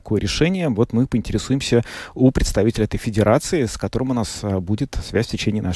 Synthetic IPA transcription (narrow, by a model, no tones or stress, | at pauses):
kojəɾʲɪʂɛnʲɪjəvo̞t̪mɨpəɪnʲtʲɪɾʲɪsujɪmsʲəupɾʲɪt̪st̪ɐvʲitʲɪlʲəɛt̪əjfʲɪdʲɪɾat̪sɨɪskɐt̪oɾəmʊnasbudʲɪt̪svʲæsʲfʲtʲɪt͡ɕenʲɪjɪna